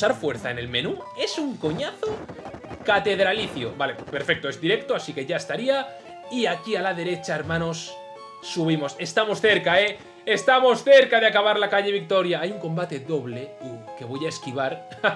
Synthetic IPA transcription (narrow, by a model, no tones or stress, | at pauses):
saɾfweɾθaene̞lme̞nue̞suŋko̞ɲaθokat̪e̞ðɾaliθjobale̞pe̞ɾfek̚t̪oe̞zðiɾek̚t̪oasike̞ʝaest̪aɾia | iakialaðe̞ɾe̞t͡ʃaeɾmãno̞sː | uβ̞imo̞se̞st̪amo̞sθe̞ɾkae | est̪amo̞sθe̞ɾkaðeakaβ̞aɾlakaʎeβ̞ik̚t̪o̞ɾjaajuŋko̞mbat̪e̞ðo̞βleke̞β̞o̞jaeskiβ̞aɾ